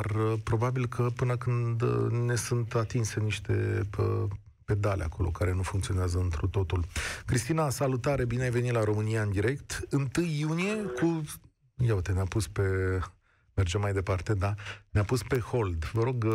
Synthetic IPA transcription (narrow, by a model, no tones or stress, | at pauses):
rpɾo̞babilkʰəpɨnəkɨnd̪nːe̞sunt̪at̪inse̞niʃt̪e̞ə | pe̞d̪alea̰kʰo̞lo̞̰kaɾe̞nufuŋkt̪sio̞neazəɨnt̪ɾut̪o̞t̪ulkɾist̪inasalut̪aɾe̞bineajve̞nit̪laɾo̞mɨnijaɨnd̪iɾe̞kt̪ɨnt̪ɨjːunije̞kʰu | jaut̪eneapuspe̞ | merd͡ʒemːajd̪e̞part̪e̞d̪aneapuspe̞ho̞ld̪vəɾo̞ɡ